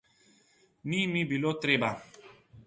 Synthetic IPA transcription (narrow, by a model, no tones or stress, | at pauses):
nimibilot̪ɾeba